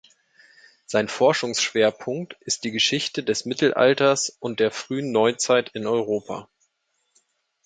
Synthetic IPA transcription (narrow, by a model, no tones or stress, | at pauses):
z̥aɪnfɔɐʃʊŋsʃv̥eːɐpʰʊŋktʔɪst̚d̥iːɡəʃɪçtədɛsmɪtl̩ʔa̰ltɐsʔʊnt̚d̥eːɐfʁ̥yːənːɔʏt͡saɪtʰɪnɔʏʁ̞oːpʰa̰